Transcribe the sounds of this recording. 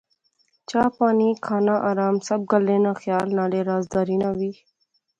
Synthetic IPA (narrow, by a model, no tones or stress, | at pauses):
t͡ʃaːpaːnikʰaːnãʔaːɾaːmsɐb̚ɡəlːẽːnãːxjaːlnãːɽeːɾaːzd̪aːɾiːnãʋiː